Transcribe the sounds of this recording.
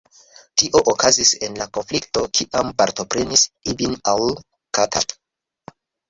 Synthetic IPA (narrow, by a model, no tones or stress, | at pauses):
tiʔo̞ʔokazise̞nlako̞nflikto̞kʰiʔampaɾto̞pɾe̞nisibinaw | katʰa̰p